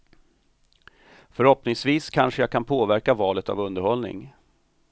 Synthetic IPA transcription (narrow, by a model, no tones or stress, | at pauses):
fœɾhɔpnɪŋsviːskʰanʂəjaːkʰanpʰoːvæɾkavɑːlət̪a̰vɵnd̪əɾhɔlnɪ̰ŋ